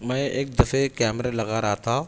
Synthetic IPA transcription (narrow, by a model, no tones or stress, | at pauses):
mɐjeːk̚d̪ɐfekaːmɛɾelɐɡaːɾaːt̪ʰa